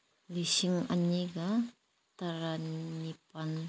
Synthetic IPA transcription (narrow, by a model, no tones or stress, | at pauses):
lisiŋa̰ɲiɡa | t̪aɾaipan